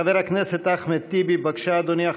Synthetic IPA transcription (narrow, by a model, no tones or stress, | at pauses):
ɐʋeɾɐkneset̪ɐxmet̪ibibɐkʃaːd̪unja